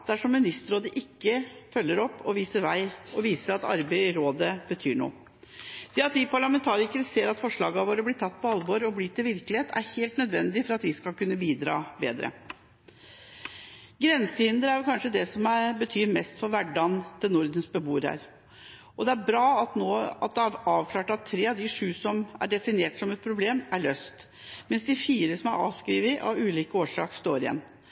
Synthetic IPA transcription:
d̪æʂɔmːɪnɪst̪əɾoːd̪əʔɪkːəfœlːəɾɔpːɔʋiːsəɾʋæɪɔʋiːsəɾɑt̪ɑ̰ɾbeɪɾoːd̪əbət̪ʰyːɳṵː | d̪̥ɛɑt̪ʋɪpʰɑɭɑmɛnt̪ʰɑːɾɪkəɾəseːɾɑt̪fɔʂɭɑːɡɑʋoːɾəblɪʈ̪ʰɑt̪ːpʰɔɑlʋoːɾɔbliːt̪ʰɪlʋɪɾkəlɪeːt̪ʰæ̰ɾheːlt̪nœd̪ʋɛnd̪ɪfɔɾɑt̪ʋɪskɑkʉnːəbiːd̪ɾɑ̰ːbeːd̪ɾə̰ | ɡɾɛnsəhɪnd̪əɾæɾjʊkʰɑnʂəd̪ɛsɔmæɾbət̪ʰyːɾmɛst̪fɔʋæɖːɑnd̪̥ɛnʊɾd̪ənsbəbuːɾæ̰ɾ | ɔd̪ɛæɾbɾɑːɑt̪noːɑt̪̚d̪ɛɑɑːʋkʰlɑːʈɑt̪ʰːɾeːɑʋd̪ɪʂʉːsɔmæ̰ɖɛfɪneːʈsɔmɛt̪̚pʰɾʊbleːmæɭøːst̪ | mɛnsd̪ɪfiːɾəsɔmæɾɑ̰ːʋskɾiːʋɪʔɑ̰ʉːliːkəoːʂɑ̰ːkst̪oːɾɪjɛ̰nː

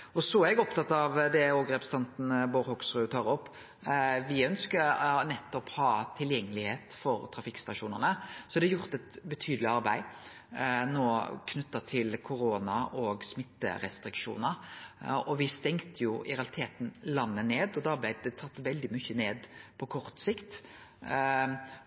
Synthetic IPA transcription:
ɔsɔæɾɛɡɔpt̪ʰɑt̪ːɑʋd̪ɛoːɡɾɛpɾəst̪ʰɑnt̪n̩boɾhɔɡsʁʉːt̪ʰɑːɾɔpː | ʋɪœnskəɾnɛt̪ːɔphɑːt̪ʰɪljɛŋːəlɪheːt̪fɔɾt̪ʰɾɑfɪkːst̪ɑʂuːnə̰ʁnəsɔd̪ɛɑjʊʁt̪ɛt̪bət̪ʰyːd̪lɪɑɾbæɪ | noːkʰnʉt̪ːɑt̪ʰɪlkʰʊɾoːnɑʔɔːɡsmɪt̪ːə̰ɾɛ̰st̪ɾɪkʂṵːnəɾ | ɔʋɪst̪ɛŋt̪əjʊɪɾɛɑlɪt̪ʰeːt̪n̩lɑnːəneːd̪ɔd̪ɑb̪æɪd̪ɛt̪ʰɑt̪ːʋɛld̪ɪmʏçːəneːd̪pʰɔkʰɔʁt̪sɪkt̪

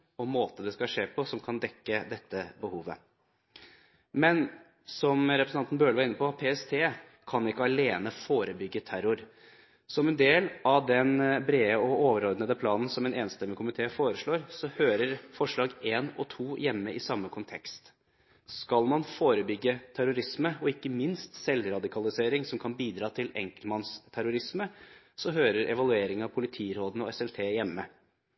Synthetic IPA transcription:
ɔmoːt̪əd̪ɛskɑʂeːpʰɔsɔmkʰɑnd̪ɛkːəd̪ɛt̪ːəbəhuːʋə̰ | mɛn | sɔmɾɛpɾsɑnt̪nbøːləʋɑɾɪnːəpʰɔpʰeːɛst̪ʰeː | kʰɑnɪkːəɑleːnəfoːɾəbʏɡːət̪ʰæɾʊɾ | sɔmɛnd̪eːlɑʋd̪ɛnbɾeːəɔoːʋəɾɔɾd̪nəd̪əpʰlɑːnn̩sɔmɛːneːnst̪ɛmːəkʰʊmɪt̪ʰeːfoːɾəʂɭoːɾsɔhøːɾəɾfɔʂɭɑːɡeːnɔ̰t̪ʰuːjɛmːəɪsɑmːəkʰʊnt̪ʰɛkst̪ | skɑlmɑnfoːɾəbʏɡːət̪ʰæɾʊɾɪsməɔɪkːəmɪnst̪sɛlɾɑd̪ɪkʰɑlɪseːɾɪŋsɔmkʰɑnbiːd̪ɾɑːt̪ʰɪlɛ̰ŋkəlmɑnst̪ʰæɾʊɾɪsmə | sɔɦøːɾəɾʔɛʋɑlʉeːɾɪŋɑʋpʰʊlɪt̪ʰiːɾoːd̪n̩ɔɛsɛlt̪ʰeːjɛmːə

